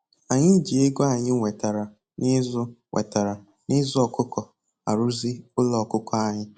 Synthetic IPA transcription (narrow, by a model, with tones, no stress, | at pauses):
a˨ɲɪ˦d͡ʒi˨e˦ɡo˦a˨ɲɪ˦ŋʷe˨ta˨ɾa˨ | nɪ˦zʊ˦ŋʷʔḛ˨ta˨ɾa˨ | nɪ˦zʊ˦ɔ˨kʊ˦kɔ˨ | a̰˨ɾʊ˦zi˦ʊ˦lɔ˨kʊ˦kɔ˦a˨ɲɪ˦